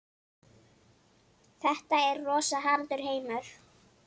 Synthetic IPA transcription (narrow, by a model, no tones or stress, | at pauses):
θɛht̪aɛɾːɔːsaɦaːɾt̪ʏɾ̥ɦeːjmaθ